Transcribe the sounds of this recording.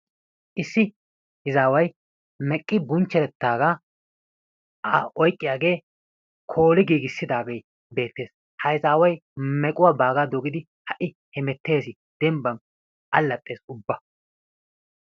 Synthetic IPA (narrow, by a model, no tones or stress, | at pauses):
ʔɪsːɪ | hɪzaːwɐj | mɛkʼːɪbʊnt͡ʃːɛɾɛt̪ːaːɡa | ʔɔjkʼːɪjaːɡe̞ː | kʰo̞ːlɪɡiːɡɪsːɪd̪aːɡej | be̞ːt̪ːe̞ːs | hɐjɪzaːwɐjmɛkʼʊwaːbaːɡad̪ɔɡɪd̪ɪ | hɐʔɪ | hɛmɛt̪ːe̞ːsɪ | d̪̥ɛmbɐn | ʔɐlːɐt̪ʼːe̞ːsʊbːɐ